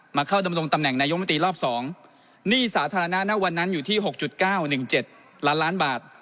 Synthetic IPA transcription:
maː˧kʰa˥˩wda˧mɾo˧ŋt̪a˧mnɛ˨˩ŋnaː˧jo˦˥˦t̪ɾiː˧ɾɔː˥˩p̚sɔː˩˦ŋ | niː˥˩saː˩˦t̪ʰaː˧ɾa˧na˦˥na˦˥wa˧nːa˦˥njuː˨˩t̪ʰiː˥˩ɦo˨˩k̚t͡ɕu˨˩t̪̚kaː˥˩wnɯ˨˩ŋt͡ɕe˨˩t̪̚ | laː˦˥nlaː˦˥nbaː˨˩t̪̚

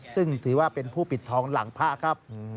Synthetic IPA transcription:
sɯ˥˩ŋt̪ʰɯː˩˦waː˥˩pe˧npʰuː˥˩pi˨˩t̪ʰːɔː˧ŋla̰˩˦ŋpʰa˦˥ʔkʰa˦˥p̚

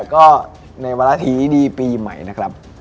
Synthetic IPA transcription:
kɔː˥˩ | na˧jwaː˧la˦˥t̪ʰiː˨˦diː˧piː˧ma̰˦˩jna˦˥kʰɾa˦˥p̚

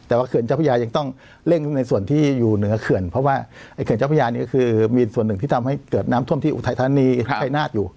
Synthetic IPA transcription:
t̪ɛː˨˩waː˥˩ɯ˨˩ənt͡ɕaː˥˩pʰa˧jaː˧ja˧ŋt̪ɔ˥˩ŋ | le˥˩ŋna˧jsu˨˩ənt̪ʰiː˥˩juː˨˩nɯ˩˦ɐkʰɯ˨˩ənpʰɾɔ˦˥waː˥˩ʔa˥˩jkʰə˦t͡ɕa˥˩pʰa˧jaː˧niː˦˥˩kɔ˥˩ɯː˧miː˧su˨˩ənːɯ˨˩ŋt̪ʰiː˥˩t̪a˧mha˥˩jkɤː˨˩t̪̚naː˦˥mu˥˩mt̪ʰiː˥˩ʔt̪ʰa˧jt̪ʰa˧a˧niː˧˦˥a˧˩jnaː˥˩t̪̚juː˨˩

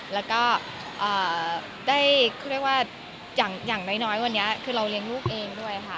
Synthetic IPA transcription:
lɛː˦˥wkɔː˥˩ | ʔɤː˨˩ | daː˥˩jkʰɔː˥˩ɾək̚waː˥˩ | jaː˨˩ŋjaː˨˩ŋna˧˥jnɔː˦˥jwa˧nːi˦˥ɐkʰɯː˧ɾa˧wli˧əŋluː˥˩k̚ʔeː˧ŋdu˥˩əjkʰa˦˥˩

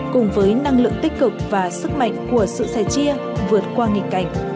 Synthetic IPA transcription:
kʊ˨˩ŋ͡mvəː˨˦jna˧ŋlɨ̰˧˨əŋt̪ï˦˥k̟̚kɨ˨˩k̚vaː˨˩sɨ˦˥k̚ma̰˧˨jŋ̟ku˧˩əsɨ̰˧˨saː˧˩jt͡ɕi˧ə | vɨ˨˩ət̚kwaː˧ŋi˨˩kːa˧˩jŋ̟

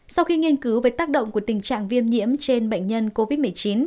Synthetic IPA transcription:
sa˧wxi˧ŋi˧ənkɨ˨˦wvəː˨˦jt̪aː˦˥k̚ɗə̰˧˨wŋ͡mku˧˩ə˩t̪ï˨˩t͡ɕa̰ː˧˨ŋvi˧əmɲḭ˧˥əmt͡ɕe˧nɓə̰˧˨ŋ̟ɲə˧nko˧vi˦˥t̚mɨ˨˩˨jt͡ɕi˨˦n

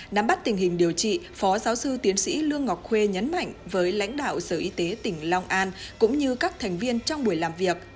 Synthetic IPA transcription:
na˨˦mɓa˦˥t̚t̪ï˨˩ŋ̟hï˨˩ŋ̟ɗi˨˩əwt͡ɕḭ˧˨ | fɔ˨˦zaː˨˦wsɨ˧t̪i˨˦ənsḭ˧˥lɨ˧əŋːɔ˨˩wk͡p̚xwe˧ɲə˨˦nma̰˧˨jŋ̟vəː˨˦jla̰˧˥jŋ̟ɗa̰ː˧˨wsəː˧˩ʔi˧t̪e˨˦t̪ï˧˩ŋ̟lɔ˧wŋ͡mʔaː˧nkʊ̰˧˥ŋ͡mɲɨ˧kaː˦˥k̚t̪ʰɛ˨˩jŋ̟vi˧ənt͡ɕɔ˧wŋ͡mɓu˧˩əjlaː˨˩mvi˨˩ək̚

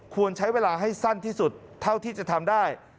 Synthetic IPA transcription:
kʰu˧ənt͡ɕʰa˦˥jweː˧laː˧ɦa˥˩jsa˥˩nt̪ʰiː˥˩su˨˩t̪ʰːa˥˩wt̪ʰiː˥˩t͡ɕa˨˩t̪ʰa˧mdaː˥˩j

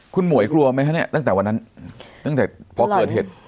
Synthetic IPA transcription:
kʰu˧nmu˨˩˦ə˦jkʰlu˧ɐma˦˥jʰɦa˦˥ni˦˥˩t̪a˥˩ŋt̪ɛː˨˩wa˧nːa˦˥nt̪a˥˩ŋt̪ɛː˨˩pʰɔ˧kɤ˧˨˩t̪̚he˨˩t̪̚

